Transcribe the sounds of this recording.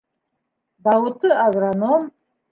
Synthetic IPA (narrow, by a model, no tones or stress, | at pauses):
bawutʰɨabranom